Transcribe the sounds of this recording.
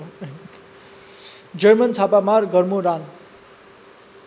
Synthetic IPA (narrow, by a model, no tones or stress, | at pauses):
d͡zʌrmʌnt͡sʰapamarɡʌrmoɾan